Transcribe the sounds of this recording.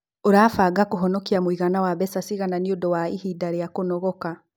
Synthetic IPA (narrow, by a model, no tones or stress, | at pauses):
oɾaːfaɡakoɦɔnɔkiamwiɣanawaβɛsasiɣananiodɔwaihidaɾeakonɔɣɔka